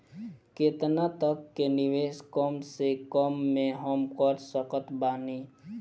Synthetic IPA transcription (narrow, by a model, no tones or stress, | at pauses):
ket̪nat̪əkːenɪʋeːskəmsekəmːẽɦəmkəɾsəkət̪baːni